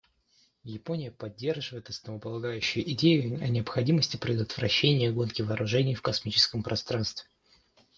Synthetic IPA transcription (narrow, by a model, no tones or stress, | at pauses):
jɪpo̞nʲɪjəpɐdʲːe̞rʐɨvəjɪt̪ɐsnəvəpəlˠɐɡajʉɕːʊjʊʔɪdʲejʊɐnʲɪəpxɐdʲiməsʲtʲɪpɾʲɪd̪ət̪vɾɐɕːenʲɪjəɡo̞nkʲɪvɐːɾʊʐɛnʲɪjfkɐsmʲit͡ɕɪ̥skəmpɾʔɐst̪ɾanst̪vʲɪ